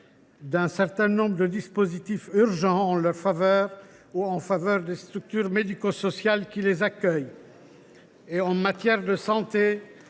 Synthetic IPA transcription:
d̪ɛ̃sɛʁt̪ɛ̃nɔ̃bʁəd̪əd̪ispozit̪ifyʁʒɑ̃ɑ̃lœʁfavœːʁ | uɑ̃favœʁd̪est̪χyk̚t̪yʁmed̪ikosɔsjalkʲilezakʲœj | eɑ̃mat̪jɛʁd̪əsɑ̃t̪e

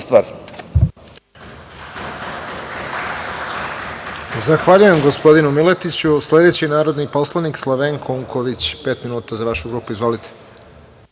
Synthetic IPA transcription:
st̪ʋaːɾ | zaxʋaːʎujemɡo̞spo̞d̪inumilet̪it͡ɕusle̞d̪e̞t͡ɕinaːɾo̞d̪nipo̞slˠanikslˠoʋeŋkʰoouŋkʰo̞ʋit͡ɕpe̞ːt̪minuːt̪azaʋaʃuɡɾuːpuizʋo̞lit̪ʰe̥

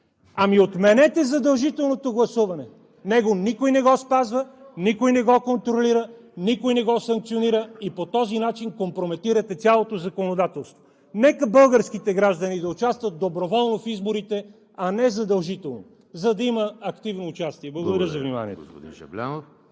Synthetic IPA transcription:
ɐmiot̪mɛnɛt̪ɛzɐd̪ɐlˠʒit̪ɛlˠnot̪oɡlˠɐsuvɐnɛ | nɛɡonikojnɛɡɔspazvənikojnɛɡɔkont̪ɾoliɾənikojnɛɡɔsɐŋk̚t̪sioniɾəipot̪ɔzinat͡ʃinkompɾomɛt̪iɾət̪ɛsʲalˠot̪ozɐkonod̪at̪ɛlˠst̪vo̥ | nɛkəbɤlˠɡəɾskit̪ɛɡɾaʒd̪ənid̪ɐʊt͡ʃast̪vət̪̚d̪obɾovɔlˠnofizboɾit̪ɛ | ɐnɛzɐd̪ɐlˠʒit̪ɛlˠno̰ | zɐd̪ɐiməːkt̪ivnoːt͡ʃast̪iɛblˠɐɡod̪ɐɾʲəzɐvnima̰nḭɛ̰t̪d̪ḭnɐ̰blʲa̰n

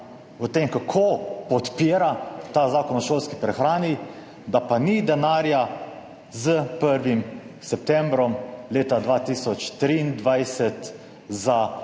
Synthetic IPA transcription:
ɔt̪emkakʰopɔt̪peːɾat̪azakɔnɔʃoːlskipɾɛxɾaːni | d̪apanid̪ɛnaːɾja | zəpəɾʋimsɛp̚t̪ɛmbɾɔmleːt̪ad̪ʋat̪isɔt͡ʃt̪ɾiːnd̪ʋajsɛt̪ | za

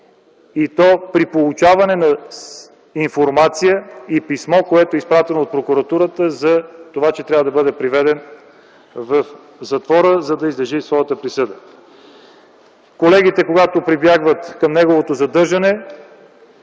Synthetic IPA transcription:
it̪ɔpɾipolˠut͡ʃavɐnɛnɐ | infoɾmat̪sijəipismɔkoɛt̪oɛispɾat̪ɛnoːt̪̚pɾokuɾɐt̪uɾət̪əzɐt̪ovat͡ʃɛt̪ɾʲavəd̪ɐbɤd̪ɛpɾivɛd̪ɛn | vɐf | zɐt̪vɔɾəzɐd̪ɐizlɐʒisvɔjət̪əpɾisɤd̪ə | kolɛɡ̟it̪ɛkoɡat̪opɾibjaɡvət̪kɐmnɛɡovot̪ozɐd̪ɤɾʒɐnɛ

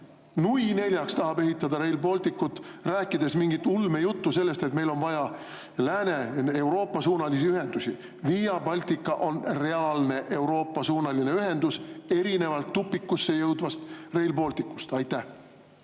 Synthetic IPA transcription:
nuijne̞lʲjɑkst̪ɑɦɑbe̞ɦit̪ːˑɑd̪ɑɾe̞jlbo̞lt̪ikːut̪ːˑræːkːˑid̪̥e̞smiŋɡ̥it̪ːˑulme̞jut̪ːuse̞lːe̞st̪e̞t̪me̞jlo̞nvɑjɑ | læːne̞e̞wɾo̞ːpːˑɑsuːnɑlisiyɦe̞nd̪̥usʲi | viːjɑbɑlʲt̪ikːˑɑʔo̞nre̞ɑlne̞ʔe̞wɾo̞ːpːˑɑsuːnɑline̞yɦe̞nd̪̥use̞ɾine̞vɑlt̪ːupːˑikːusːe̞jɤwd̪̥vɑst̪re̞jlbo̞ːlt̪ikːu̥st̪ɑjt̪ːˑæh

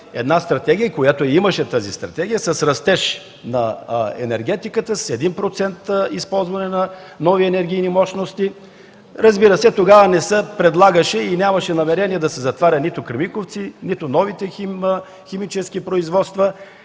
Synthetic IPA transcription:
ɛ̰d̪nast̪ɾɐt̪ɛɡʲijəkojat̪oimɐʃɛt̪əzist̪ɾɐt̪ɛɡʲijəsɐsɾɐst̪ɛʃ | nɐɛ̰nɛɾɡɛt̪ikət̪əsɛd̪inpɾot̪sɛnt̪ispɔlˠzvɐnɛnɐ | nɔviɛnɛɾɡʲijnimɔʃnost̪i | ɾɐzbiɾəsɛt̪oɡavənɛsəpɾɛd̪lˠaɡəʃɛinʲamɐʃɛnɐmɛɾɛniɛd̪ɐsɛzɐt̪vaɾʲɐt̪nit̪ʊkɾimikoft̪sinit̪ʊnɔvit̪ɛ | xɛmit͡ʃɛskipɾoizvɔt̪st̪və

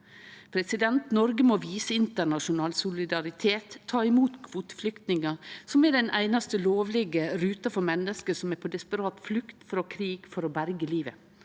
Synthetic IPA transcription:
pʰɾɛsɪd̪ɛnt̪nɔɾɡəmoʋiːsəɪnt̪əɳɑʃʊnɑːlsʊlɪd̪ɑɾɪt̪ʰeːt̪ʰːɑːɪmuːt̪kʰʋuːt̪ə̥flʏkt̪nɪŋɑsɔmɛɖɛnʔæɪnɑst̪əloːʋlɛɡəɾʉːt̪ɑfɔɾmɛnːəskəsɔmɛɾpʰod̪ɛspəɾɑːt̪flʉkt̪fɾoːkʰɾiːɡfɔɾoːbæɾɡəliːʋə

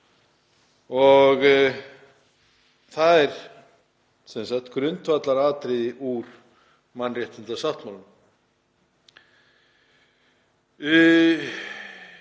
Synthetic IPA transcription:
ɔɣ | θaðɛɾ̥ | sɛnsat̪kɾʏnt̪vat̪laɾaːt̪ɾɪðiʔuɾ̥ | manrjɛht̪ɪnt̪asaht̪mawlʏm

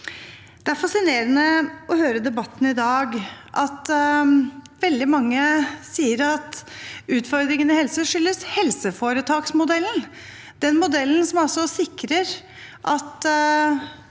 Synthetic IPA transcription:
d̪̥ɛæɾfɑsɪneːɾənəɔhøːɾəd̪ɛbɑt̪ːn̩ɪd̪ɑːɡʔɑt̪ | ʋɛld̪ɪmɑŋːəsiːəɾɑt̪ʉːt̪fɔɾd̪ɾɪŋənɪhɛlsəʂʏlːəshɛlsəfoːɾət̪ʰɑːksmʊd̪ɛlːən | d̪̥ɛnmʊd̪ɛlːn̩sɔmɔsɔsɪkɾəɾ | ʔɑt̪

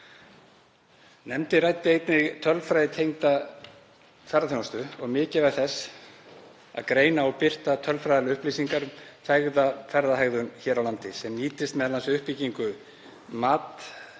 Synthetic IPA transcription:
nɛmt̪ɪrajt̪ɪejt̪nɪɣt̪ʰœlfɾajðɪt̪ʰejŋt̪a | θaɾaθonst̪ʏɔɣmɪːcɪvaθɛsː | a̰ðkɾeːjnaɔwpɪr̥t̪at̪ʰœlfɾajðalɪʏhpliːsiŋkaɾʏmθaɣðafɛɾðaɦaɣðʏnçɛːɾawlant̪ɪsɛmniːt̪ɪst̪mɛðalansʏʏhpiciŋkʏ | maːt̪

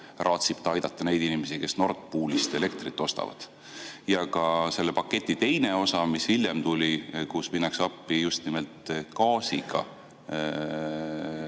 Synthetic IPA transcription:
rʔɑːt̪sib̥t̪ɑɑjd̪̥ɑt̪ˑːɑne̞jd̪inimesike̞sno̞rt̪puːlist̪ele̞kt̪rit̪ːˑo̞st̪ɑ̰vɑ̰d̪̥ | jɑkɑse̞lːepɑkːˑe̞t̪ʲˑːit̪e̞jne̞o̞sɑmishilʲːemt̪ulʲikusminːɑksɑpːijust̪nimelt̪kɑːsiɡɑ̰

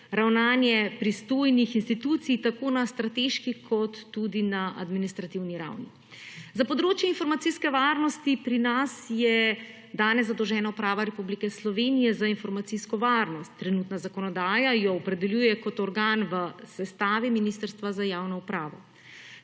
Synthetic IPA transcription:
ɾawnaːnjɛpɾist̪oːjnixinst̪it̪uːt̪sijt̪akoːnast̪ɾat̪eʃkikʰɔt̪ːud̪inaʔa̰d̪minist̪ɾat̪iwniɾa̰wni | zapɔd̪ɾoːt͡ʃjɛinfɔɾmat̪siskɛʋaːɾnɔst̪ipɾinasjɛ | d̪aːnɛzzad̪ɔwʒɛːnaupɾaːʋaɾɛpublikɛslɔʋeːnijɛzainfɔɾmat̪siskɔʋaːɾnɔst̪ːɾɛnut̪nazakɔnɔd̪aːjajɔːpɾɛd̪ɛljuːjɛkɔt̪ɔɾɡaːnʋəsɛst̪aːʋiminist̪əɾst̪ʋazajaːwnɔupɾaːʋɔ

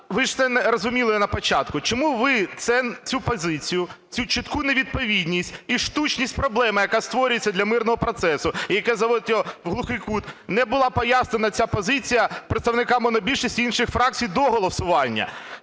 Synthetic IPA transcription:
ʋɪʒɛnɛɾɔzʊmʲilˠɪnɐpɔt͡ʃɑt̪kʊt͡ʃɔmuʋɪt̪sɛt͡sʲupɔzɪt͡sʲijʊ | t͡sʲut͡ʃɪt̪kuneʋʲid̪̚pɔʋʲid̪ʲnʲisʲtʲiʃt̪ut͡ʃnʲisʲtʲpɾɔblˠɛmɪjɐkast̪ʋɔɾʲʊjet͡sʲːɐd̪lʲɐmɪrnɔɦɔpɾɔt̪sɛsʊijɐkɛzɐʋɔd̪ɪt̪ʲɔʋɦlˠʊxɪkut̪nɛbʊlˠɑpɔjasnenɐt͡sʲapɔzɪt͡sʲijɐpɾet̪st̪ɐʋnɪkɑmɔnɐbʲilʲʃisʲtʲinʃɪxfɾɑk̚t͡sʲijd̪ɔɦɔlˠɔsʊʋɑnʲːɐ̰

